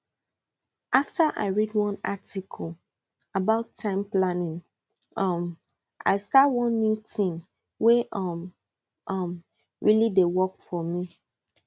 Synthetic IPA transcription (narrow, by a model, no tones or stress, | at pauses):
ʔaftəʔa̰ɪɹidwɔ̃natikʰəl̩ | abaʊtʰːãɪ̃mplanĩŋ | ʌm | ʔa̰ɪstatwɔ̃nːjutĩŋ | weʔʌm | ʔʌm | ɹilidewɔkfɔmi